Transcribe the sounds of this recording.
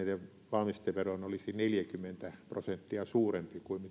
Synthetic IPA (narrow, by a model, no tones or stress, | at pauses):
ileʋ | ʋɑlmist̪eʋʋeroinolisineljækymːent̪æprosent̪ːiɑsuːrempikuimmi